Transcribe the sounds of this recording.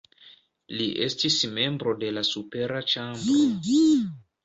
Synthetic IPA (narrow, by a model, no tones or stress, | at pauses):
liʔe̞̰stisme̞mbɾo̞de̞lasupe̞ɾat͡ʃambɾo